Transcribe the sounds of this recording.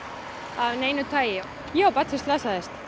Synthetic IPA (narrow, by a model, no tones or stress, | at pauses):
ɑnæjnud̪̚t̪ʰɑj | joopɑt̪sest̪lɑsɑest̪